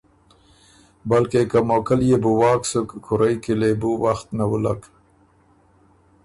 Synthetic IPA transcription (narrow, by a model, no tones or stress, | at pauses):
balkekamokaljebuwɑːksukːʰʊɾajkilebuwaxt̪nawulak